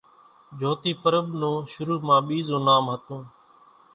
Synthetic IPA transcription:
d͡ʒʱoːt̪iːpəɾəɓnõːʃʊɾuːmãːɓiːzõːnaːmɦət̪õː

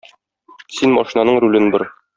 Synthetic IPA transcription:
sinmɒʃinɑnɤɴɾulɘnbɤɾ

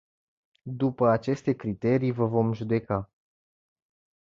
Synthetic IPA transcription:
d̪upəat͡ʃe̞st̪e̞kɾit̪e̞ɾijvəvo̞mʒud̪e̞ka

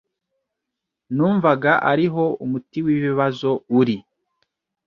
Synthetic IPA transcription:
nuːɱvaɡaʔaɾiɦo̞umutiwiβiβazo̞uɾi

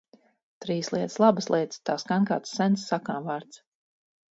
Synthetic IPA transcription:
t̪ɾiːslˠiɛt̪ə̥slˠabəslˠiɛt̪st̪aːskaŋka̰ːt̪sːɛnsːakaːmvaːɾt̪s

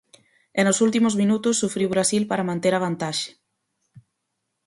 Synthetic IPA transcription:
enosult̪imozmĩnut̪ʊsːufɾiwβɾasilpaɾamãnt̪eɾaβ̞ant̪aʃe̥

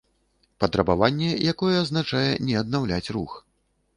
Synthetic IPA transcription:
pɐt̪ɾɐbavanʲːɛjakɔjɛːznat͡ʂajɛnʲɛɐd̪nawlʲat͡sʲrux

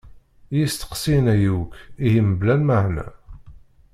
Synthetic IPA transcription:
jist̪ə̥qsinæjukijiməblænməʕnæ̰

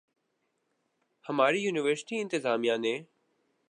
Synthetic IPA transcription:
həmaːɾijuːnɪʋəɾsɪ̥ʈiːɪ̃nt̪ɪzaːmijãːnẽː

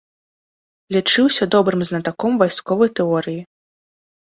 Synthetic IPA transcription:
lʲit͡ʂɨwsʲɐd̪ɔbɾɨmznɐt̪akɔmvajskɔvɐjt̪ɛɔɾɨji

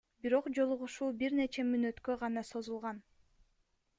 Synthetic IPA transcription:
biɾo̞qd͡ʒo̞lˠuʁuʃuːbiɾne̞t͡ʃemynøt̪kø̞ʁɑnɑso̞zulˠʁɑn

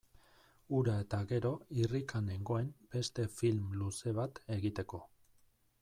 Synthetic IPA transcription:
uɾae̞t̪aɣe̞ɾo̞irikane̞ŋɡo̞e̞mbe̞st̪e̞filmluse̞β̞at̪e̞ɣit̪e̞ko̞

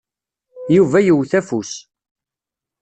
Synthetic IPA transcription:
juvæjəwθæfus

